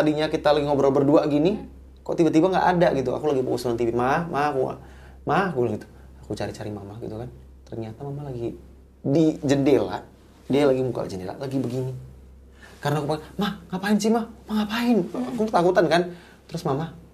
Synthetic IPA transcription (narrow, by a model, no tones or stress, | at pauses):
t̪adiɲakit̪alaɡiŋobəɾobərduaʔɡini | kɔ̰ʔt̪ibat̪ibaŋɡa̰ʔadaɡit̪̬ua̰kulaɡipukɔsunant̪ibimahmaːkua̰ | mahɡulɡit̪u̥ | akut͡ʃaɾit͡ʃaɾimamahɡḭt̪ukan | t̪ərɲat̪amamalaɡi | did͡ʒəndela̰ʔ | dialaɡimuka̰d͡ʒəndela̰ʔlaɡibəɡini | karənakupamahŋaʔpaɪnsimahmaŋaʔpaɪnakuət̪akut̪ankan | t̪əɾʊsmamah